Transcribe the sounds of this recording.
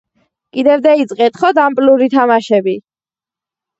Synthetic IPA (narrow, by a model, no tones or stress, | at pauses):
kʼid̪ɛvd̪ait̪sʼqʼɛt̪χɔd̪ampʼluɾit̪ʰamaʃɛbi